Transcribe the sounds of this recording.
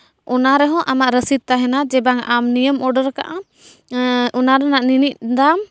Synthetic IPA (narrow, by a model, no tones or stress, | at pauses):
ʔɔnaɾɛɦɔ̃ʔamaʔɾəsid̪̚t̪aɦɛnad͡ʒɛbaŋamnijəmɔɖəɾka̰ʔa | ɔnaɾɛnaʔninic̚d̪am